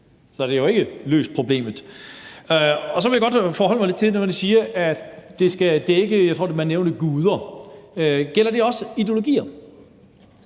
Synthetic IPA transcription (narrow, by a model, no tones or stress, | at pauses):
sɒ̽d̥ejo̝e̝ɡ̥əlø̰ːsd̥̚pʰʁo̝b̥le̝̰ːmð̩ˠ | ɒ̽s̬ɒ̽ʋe̝jaɡ̥ɒ̽d̥fɒːhɒ̽l̰mɑɪle̝d̥t͡sʰe̝nɒmæd̥isiːɐʔæd̥d̥e̝sɡ̥æd̥eɡ̥əjɑaɪt͡sʰʁo̰demænːeʊnəɡ̥uːð̞ˠɐ | ɡ̥el̰ɐd̥e̝ɒ̽sid̥jo̝lo̝ɡ̥ḭːɐ